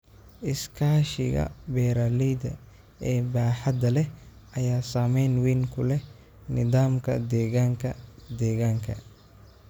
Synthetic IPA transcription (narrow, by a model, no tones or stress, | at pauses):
ʔɪskʰaːʃɪ̰ɣɐ̰bɛːɾaːlɛjd̪ɐ̰ | ɛːbaːħad̪ɐlɛ | ʔɐjaːsaːmɛjnwiːŋkʰʊlɛ | nɪðaːmkʰɐ̰d̪ɛːɣaːŋkʰɐd̪ɛːɣaːŋkʰɐ̰